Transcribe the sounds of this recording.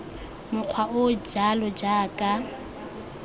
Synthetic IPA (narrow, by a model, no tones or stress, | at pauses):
mʊq͡χʰwaʔʊd͡ʒalɔd͡ʒaːkʼa